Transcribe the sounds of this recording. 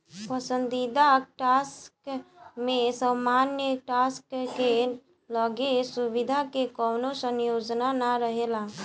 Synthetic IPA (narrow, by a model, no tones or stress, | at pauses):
pəsə̃nd̪id̪aʈaːskmẽsəmanjəʈaskke | ləɡesubid̪ʱakekɔːnosənjoːd͡ʒnanaɾəɦela